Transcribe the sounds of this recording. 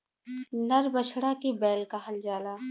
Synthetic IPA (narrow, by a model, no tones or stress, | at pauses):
nɐɾbəʃʰɽakibɛːlkaɦɐld͡ʒaːlaː